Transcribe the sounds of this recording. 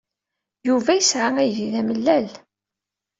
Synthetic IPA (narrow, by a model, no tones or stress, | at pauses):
juvæjəsʕamæjiðæməlːæl